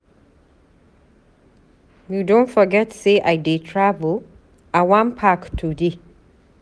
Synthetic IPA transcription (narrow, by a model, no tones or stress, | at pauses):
judõntfɔɡɛtseʔajdetʰɹavəl | awãnpʰaktʰude